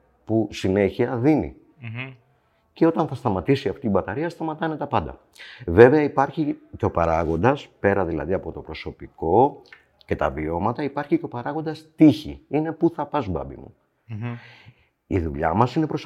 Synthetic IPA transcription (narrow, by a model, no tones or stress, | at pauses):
pusine̞çiɐðinḭ | ce̞o̞t̪ɐnθɐst̪ɐmɐt̪isiɐft̪iibɐt̪ɐɾiɐst̪ɐmɐt̪ɐne̞t̪ɐpɐnd̪ɐ̰ | ve̞ve̞ɐipɐɾçiceo̞pɐɾɐɣo̞nd̪ɐspe̞ɾɐðilɐ̰ðiɐpo̞t̪o̞pɾo̞so̞piko̞ | ce̞t̪ɐvio̞mɐt̪ɐipɐɾçiceo̞pɐɾɐɣo̞nd̪ɐst̪içḭine̞puθɐpɐzbɐ̰bḭmṵ | iðuʎɐmɐsine̞pɾo̞s